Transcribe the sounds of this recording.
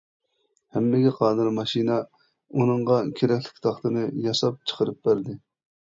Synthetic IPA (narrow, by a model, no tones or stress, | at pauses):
hɛmːɪɡʲɛqʰɑːd̪ɨɾmɑʃinɑ | unɨɴʁɑkʲʰeɾɛkʲlɪ̥kʲt̪ʰɑχt̪ɨnɨjɑsɑp̚t͡ʃʰə̥qʰəɾɨp̚bæɾd̪ɪ